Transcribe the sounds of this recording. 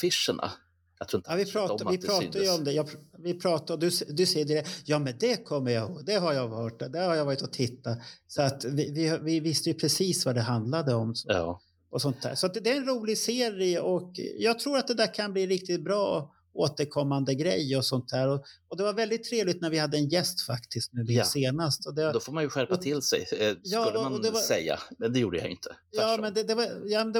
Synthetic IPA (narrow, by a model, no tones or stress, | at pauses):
fɪʂəɳa̰ | ɾuavɪpʰɾɑːt̪vɪpʰɾɑːajəɔmd̪ɛjɑvɪpʰɾɑːt̪aɔd̪ɵsɛd̪ɵsɛjːəd̪ɪdɛjɑːmɛnd̪ɛkʰɔmːəɾjaoːd̪ɛɦaɾjɑœːʈːd̪ɛhaɾjavɑːɾɪt̪ɔt̪ʰɪt̪ːasɔat̪vɪvɪvɪvɪst̪əjɵpʰɾɛsiːsvad̪ɛɦand̪lad̪əɔms | ɔsɔnt̪d̪æ̰ːʂɔat̪d̪ɛæɾɛnɾuːlɪɡseːɾɪɔkjɑːɡ̚t̪ʰɾuːɾat̪̚d̪ɛd̪æːɾkʰanbliːɾɪk̚t̪ɪt̪̚bɾɑː | oːt̪əɾkʰɔmːand̪əɡɾɛ̰jːɔsɔnt̪̚d̪æːɾɔɔd̪ɛvaɾvɛld̪ɪt̪ʰːɾeːvlɪt̪næɾvɪhad̪ːəɛnjɛst̪fakt̪ʰɪskt̪̚nʉd̪ɪseːnast̪ɔd̪ɛvad̪ɔfoːɾmanjɵɧæɾpat̪ʰɪlːsɛ̰jjɑːɔd̪ɛvasɛ̰jːa̰mɛnd̪ɛjuːɖəja̰jɪ̰nt̪ʰə̥ | jɑːmɛnd̪ɛd̪ɛvajɑːmɛnd̪ɛ